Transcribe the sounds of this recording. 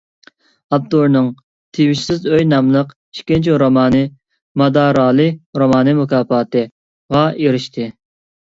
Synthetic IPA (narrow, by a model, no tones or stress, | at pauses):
ɑp̚t̪oɾnɨŋ | t̪ʰewiʃsɪzøjnɑmlˠəq | iʃkʲint͡ʃʰiɾomɑːnɨ | mɑd̪ɑːɾɑːlˠɨɾomɑːnɨmukʰɑːpɑːt̪ɨ | ʁɑeɾɪʃt̪ʰɨ